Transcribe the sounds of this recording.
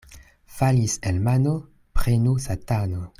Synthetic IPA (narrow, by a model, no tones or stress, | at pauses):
faliselmano | pɾenusatano